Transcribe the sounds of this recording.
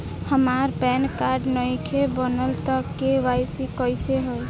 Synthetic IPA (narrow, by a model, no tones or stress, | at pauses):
həmaɾpɛnkaɾɖnəjkʰebənəlt̪əkeʋajsikəjseɦoj